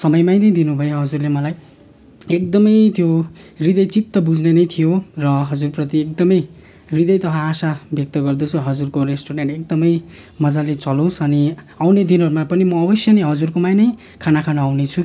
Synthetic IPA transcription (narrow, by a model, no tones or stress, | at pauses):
sʌmʌjmajnʌjd̪inubʱʌjoɦʌd͡zurlemʌlaj | ek̚d̪ʌmʌjt̪jorid̪ʌjt͡sit̪ːʌbud͡znenʌjt̪ʰijorʌɦʌd͡zurprʌt̪iek̚d̪ʌmʌj | rid̪ʌjt̪ʌɦʰãːsabjʌk̚t̪ʌɡʌrd̪ʌt͡sʰuɦʌd͡zurkoresʈoɾeɳʈek̚d̪ʌmʌj | mʌd͡zalet͡sʌlõw̃sʌni | awned̪inɦʌɾumapʌnimʌːbʌsjʌneɦʌd͡zurkomajnʌj | kʰanakʰanaawnet͡sʰu